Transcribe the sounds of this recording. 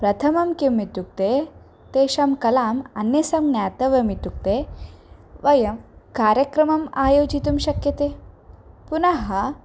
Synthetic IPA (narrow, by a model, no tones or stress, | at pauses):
pɾɐt̪ʰɐmɐmkimːit̪uk̚t̪eː | t̪eːʃɐmkɐlaːmɐnjɐsɐmɡnaːt̪ɐʋɐmit̪uk̚t̪eː | ʋɐjɐmkaːɾjɐkɾɐmɐmaːjoːd͡ʒit̪umʃɐkjɐt̪eː | punɐɦɐ